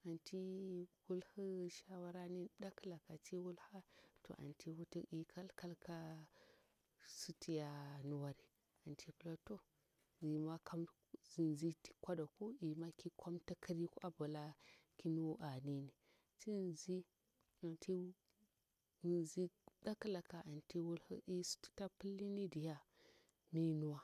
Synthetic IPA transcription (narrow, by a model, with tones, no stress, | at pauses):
a˨nti˦wu˦lhə˦ʃa˦wa˦ɾa˦ni˦da˦kla˨ka˨ti˦wu˦lha˦to̰˨ʔa̰˨ntʰi˦wu˦ti˦i˦kʰa˦lka˦lka˦ | su˦tʰi˨ja˦nu˨wa˦ɾi˨ | a˨ntʰi˦pla˦to˦ | zi˨ma˦ka˦m˦zi˨nzi˦ti̥˦kʷa˦da˨ku˦i˨ma˦ki˦kʷa˦mta˦ki˦ɾi˦ku˦ʔa˦ba˨la˦ki˦nu˦wʔa˨ni˦ni˨ | ti˦˨nzi˦ | a˨ntʰi˦˨ | zi˦da˦ka˦la˨ka˨ʔa˨nti˦wu˦l̰i˦su̥˦ti̥˦ta˦pi˦lːi˦ni˦di˨ja˦ | mi˦nu˦wa˦